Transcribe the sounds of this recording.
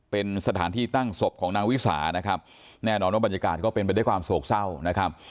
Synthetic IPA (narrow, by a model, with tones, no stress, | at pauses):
pe˧nsa˧t̪ʰaː˩˦nt̪ʰiː˥˩t̪a˥˩ŋso˨˩p̚kʰɔː˩˦ŋnaː˦˥ŋwi˦˥sa̰ː˩˦na˦˥kʰa˦˥p̚ | nɛː˥˩nɔː˧nwa˥˩ba˧nja˧ka̰ː˨˩t̪̚kɔː˥˩pe˧npa˧jda˥˩kʰwaː˧msoː˨˩k̚sa˥˩wna˦˥kʰa˦˥p̚